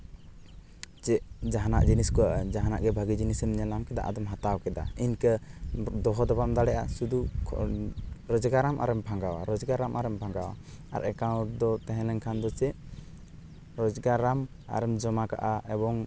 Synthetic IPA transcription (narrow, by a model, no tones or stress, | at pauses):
t͡ʃɛʔd͡ʒaɦanaʔd͡ʒiniskɔwaʔd͡ʒaɦanaʔɡɛbʱaɡid͡ʒinisɛmɲɛlamkɛd̪a̰ʔad̪ɔmɦat̪awkɛd̪a̰iɲkəd̪ɔɦɔd̪ɔpamd̪aɽɛʔasud̪u | ɾɔd͡ʒɡaɾamʔa̰ɾɛmbʱaŋɡawaɾɔd͡ʒɡaɾamaɾɛmbʱaŋɡawa̰ | a̰ɾɛkawd̪ɔt̪ɛɦɛ̃lɛɲkʰand̪ɔt͡ʃɛ | ɾɔd͡ʒɡaɾam | a̰ɾɛmd͡ʒɔmaka̰ʔaɛbɔŋ